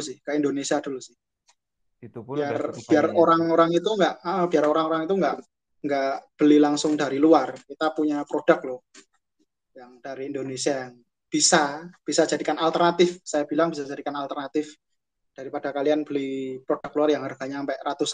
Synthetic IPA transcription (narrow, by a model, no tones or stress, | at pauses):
usɪhkaindonesiad̥ulusɪh | biarb̥iaroɾaŋoɾaŋit̪uŋɡaʔʔəb̥iaroɾaŋoɾaŋit̪uŋɡaʔ | ŋɡaʔb̥əlilaŋsʊŋdaɾiluarkit̪apuɲapɾod̥ak̚lʊ | jaŋd̥aɾiːndonesiajaŋ | b̥isab̥isḁd͡ʒadikanalt̪ərnat̪ɪfsajabilaŋbisad͡ʒadikanalt̪ərnat̪ɪf | d̥aɾipad̥akalianb̥əlipɾod̥a̤k̚luarjaŋharɡ̥aɲaːmpɛʔrat̪usa